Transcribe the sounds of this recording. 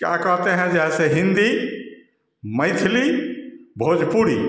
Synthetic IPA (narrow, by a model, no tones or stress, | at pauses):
kja̰ːkəɦt̪eɦɛ̃d͡ʒɛːseɦɪ̃nd̪i | mə̃ɪt̪ʰɪlibʱoːd͡ʒʱpuːɽḭ